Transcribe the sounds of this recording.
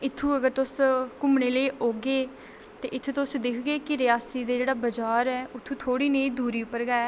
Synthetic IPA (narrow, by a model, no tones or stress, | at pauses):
ɪt̪ʰːũːəɡəɾt̪ʊskʊmɳeːləiːʔoːɡeː | t̪eːʔɪt̪ʰːet̪ʊsd̪ɪkʰɡeːkɪɾɪjaːsiːd̪eːd͡ʒeːɽaːbəd͡ʒaːɾɛːʊt̪ʰːũːt̪ʰoːɽiːnəĩːd̪uːɾiːʊpəɾɡaːɛː